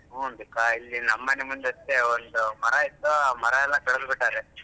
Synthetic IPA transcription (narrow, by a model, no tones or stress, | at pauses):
oːnd̪ukːailːinɐmːɐnemund̪ɐst̪eond̪umɐɾɐit̪ːuaːmɐɾɐɛlːɐkɐɭɐsbiʈːaːɾe